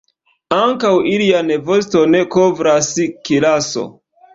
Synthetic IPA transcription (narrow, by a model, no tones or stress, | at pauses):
aŋkawilianevosto̞ne̞kovɾaskilaso̞̰